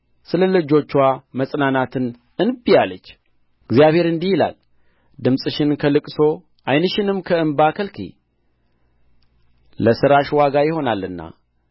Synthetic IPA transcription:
sɨləlɨd͡ʒo̞t͡ʃːwaməsʼnanat̪ʰɨn | ɨnbijalət͡ʃː | ɨɡzjaβhe̞ɾɨnd̪ihɪla̰l | d̪ɨmsʼɨʃɪnkʰəlɨkʼso̞ | ʔajnɨʃɪnɨmkʰəɨmbakʰəlkʰḭ | ləsɨɾaʃwaɡajɪho̞nalːɨnːa̰

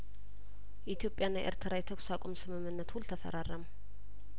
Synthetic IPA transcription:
jit̪ʰjo̞pʼːjanːajʔḛɾt̪ʰɾajɛt̪ʰəksakʷʼomsɨmɨmːɨnːət̪hult̪ʰəfə̰ɾarəm

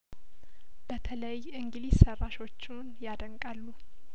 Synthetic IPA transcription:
b̥ət̪ʰələjʔɨŋɡɨlissərːaʃo̞t͡ʃːunjad̪əŋkʼalːu

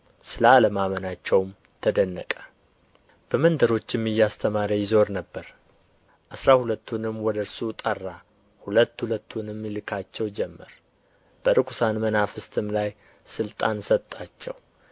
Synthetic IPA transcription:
sɨlaləmamənat͡ʃːɛwm | t̪ʰəd̪ənːəkʼə̥ | b̥əmənd̪əɾo̞t͡ʃːɛmːɨjːast̪ʰəmaɾajɪzo̞ɾnəbːəɾ | ʔasɾahulət̪ːunɨmːwɔd̪əɾsut̪ʼərːa | hulət̪ːhulət̪ʰːunɨmːɪlɨkʰat͡ʃːɛwd͡ʒɛmːəɾ | b̥əɾɨkʰu̥sanmənafɨst̪ʰɨmlaj | sɨlt̪ʼansət̪ʼːat͡ʃːɛ̰w

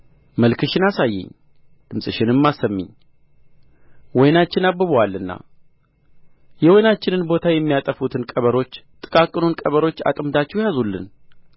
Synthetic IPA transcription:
məlkʰɨʃɪnasajːɛ̰ɲ | d̪̥ɨmsʼɨʃɪnɨmːasəmːɪ̰ɲː | wɔjnat͡ʃːɪnabːɨβwalːɨnːa̰ | jɛwɔjnat͡ʃːɪnɨnbo̞t̪ʰajɛmːijat̪ʼəfut̪ʰɨnkʼəβəɾo̞t͡ʃːt̪ʼɨkʼakʼːɨnunkʼəβəɾo̞t͡ʃːa̰t̪ʼɨmd̪at͡ʃːɛwjazulːɨ̰n

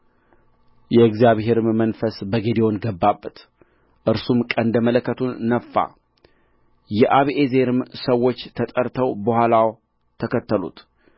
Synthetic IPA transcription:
jɛɨɡzijaβɦe̞ɾmmənfəsbəɡed̪ewonɡəbːabːət̪ | ʔɨɾsumkʼənd̪əmələkːət̪ʰunːəfːa̰ | jɛʔaβʔezeɾɨmsəwːo̞t͡ʃːt̪ʰət̪ʼəɾt̪ʰəwbəhʷalaw | t̪ʰəkʰət̪ʰːəlṵt̪

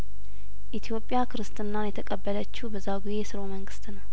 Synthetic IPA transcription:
ʔit̪ʰjo̞pʼːjakʰɨɾɨst̪ʼɨnːanjɛt̪ʰəkʼəbːələt͡ʃːuhbəzːaɡizejsɨɾoməŋɡɨst̪nəw

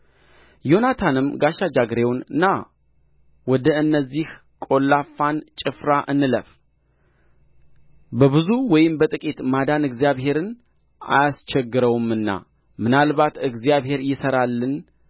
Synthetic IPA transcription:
jo̞nat̪ʰanɨmɡaʃad͡ʒaɡɾe̞wnɨnːa | wɔd̪əɨnːəzːih | kʼo̞lːafːant͡ʃʼɪfɾaʔɨnːɨləf | bəβɨzuwɔjɪmbət̪ʼɨkʼit̪mad̪anɨɡzijaβɦe̞ɾɨn | a̰jast͡ʃɛɡːɨɾəwumɨnːa̰ | mɨnalβat̪ɨɡzijaβɦe̞ɾjɪsəɾalːɨn

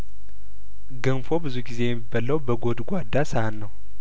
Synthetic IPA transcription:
ɡənfo̞bɨzuɡize̞jɛmːibːaləwbəɡod̪ɡʷad̪ːasəhanːəw

